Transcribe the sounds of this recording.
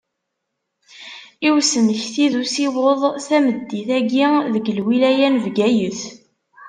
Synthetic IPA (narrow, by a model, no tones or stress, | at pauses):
iwsənəçθiðusiwoðˤθæməd̪ːiθæɡiðəɡəlwilæjænvɡæjəθ